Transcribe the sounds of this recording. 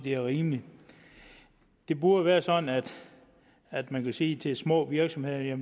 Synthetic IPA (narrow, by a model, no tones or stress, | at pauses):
d̥e̝æɐʁiːmli | d̥e̝b̥uɐʋæːɐsɒ̽d̥n̩æd̥ | æd̥mænkʰæse̝̰ːt͡sʰe̝smɔ̰̽ːʋiɐɡ̥sɒ̽mhe̝ð̰ˠɐjæ